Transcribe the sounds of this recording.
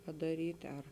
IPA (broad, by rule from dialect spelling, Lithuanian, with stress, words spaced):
pɐdɐˈrʲiːtʲ ɐr